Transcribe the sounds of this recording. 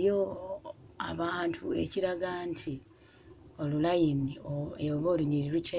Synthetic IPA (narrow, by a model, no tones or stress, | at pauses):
jo | a̰βaːntʰue̞̰ciɾaɡantʰi | o̞lulajinioeβoːluɲiɾiɾuce